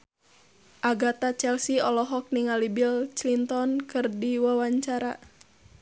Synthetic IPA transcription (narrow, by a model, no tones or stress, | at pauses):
ʔaɡat̪at͡ʃɛlsiɔlɔɦɔk̚niŋalibilt͡ʃlint̪ɔnkɨrdiwawaɲt͡ʃaɾa